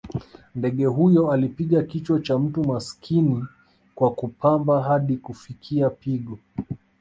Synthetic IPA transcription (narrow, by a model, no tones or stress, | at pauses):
ndɛɠɛɦujɔalipiɠakit͡ʃwɔt͡ʃam̩tumaskʰini | kwakupambaɦaɗikufikʰiapiɠɔ